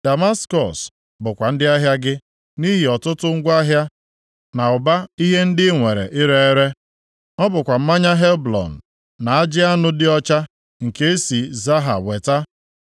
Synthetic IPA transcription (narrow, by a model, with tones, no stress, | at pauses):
d̥a˨ma˦skɔ̰˨s | bʊ˨kʷa˨n̩˦dɪ˦a˦ɦja˦ɡɪ˦ | ni˦ɦɪ˨ɔ˨tʊ˦tʊ˦ŋ̩˦ɡʷa˦ɦja˦ | na˨ʊ˨ba˦i˦ɦe˦n̩˦dɪ˦ŋʷe˨ɾḛ˨ʔɪ˦ɾe˦e˦ɾe˦ | ɔ˦bʊ˨kʷa˨m̩˦ma˦ɲa˦ɦe˦blɔ̰˨n̩˨ | na˨a˦d͡ʒɪ˦a˦nʊ˦dɪ˦ɔ˦t͡ʃa˦ | ŋ̩˨ke˦e˦si˨za˦ɦa̰˨we˨ta˦